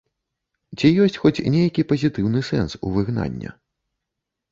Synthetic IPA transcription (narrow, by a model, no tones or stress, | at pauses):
t͡sʲijɔsʲt͡sʲxɔt͡sʲnʲejɐkʲipɐzʲit̪ɨwnɨsɛnsṵvɨɣna̰nʲːɐ̰